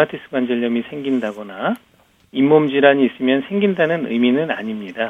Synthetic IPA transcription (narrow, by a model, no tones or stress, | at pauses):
atʰis͈ɯ̥ɡwand͡ʑʌʎːʌmisʰe̞ŋɡindaɡʌna | imːomd͡ʑiɾaɲiːs͈ɯmjʌnsʰe̞ŋɡindanɯnɯ̰minɯna̰ɲimɲida